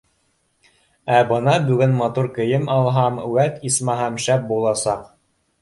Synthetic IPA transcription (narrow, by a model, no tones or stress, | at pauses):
æbɤ̆nɑbʉɡɘnmɑt̪uɾkɘ̆jɘmɑlˠɦɑmwæt̪ismɑɦæmʃæp̚bulˠɑsɑq